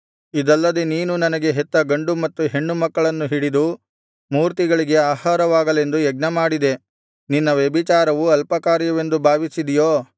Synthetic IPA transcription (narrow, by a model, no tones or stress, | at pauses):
id̪ɐlːɐd̪eniːnunɐnɐɡe̞ɦet̪ːɐɡɐɳɖumɐt̪ːuɦe̞ɳːumɐkːɐɭɐnːuɦiɽid̪u | muːɾt̪iɡɐɭiɡe̞aːhaːɾɐʋaːɡɐle̞nd̪ujɛɡ̚nɐmaːɽid̪e̞ | ninːɐʋjɐbit͡ʃaːɾɐʋuɐlpɐkaːɾjɐʋe̞nd̪ubʱaːʋisid̪ijoː